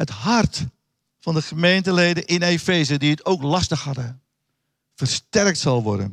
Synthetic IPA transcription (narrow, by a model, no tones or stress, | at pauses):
ɦətɦɑrt | fɑndəχəmejntəlejdənʔɪnefejzədiətowklɑstəχhɑdə | vəɹstɛrk̚tsɑlˠʋɔ̰ɹdə̰n